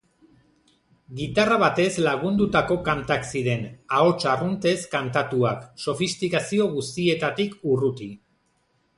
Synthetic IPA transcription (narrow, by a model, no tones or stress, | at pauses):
ɡit̪araβ̞at̪e̞zlaɣ̞und̪ut̪ako̞kant̪aksiɾe̞nao̞t͡ʃarunt̪e̞skant̪at̪uakso̞fist̪ikasio̞ɣust̪ie̞t̪at̪ikurut̪i